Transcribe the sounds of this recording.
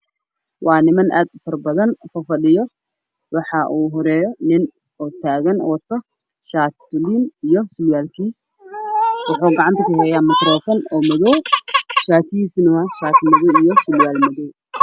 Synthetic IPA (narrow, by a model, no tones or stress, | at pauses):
wʔɑːnɪmɐnʔa̰ːd̪fɐrbɐðɐnfɐfɐɗɪjɔ | wɑħɑʔuːɦɔɾɛːjɔnɪn | ɔːt̪ʰaːɣɐnɔːt̪ʰɐ | ʃaːt̪ʊliːnijɔsʊljaːlkʰiːs | wɑħuːɡɑʕɑnt̪ʰɐkɐhɛːjaːmɪt̪ɾɔːfɔnɔːmɐðɔwʃaːt̪iːsnɐwaʃaːt̪mɐðɔwijɔsʊljaːlmɐðɔw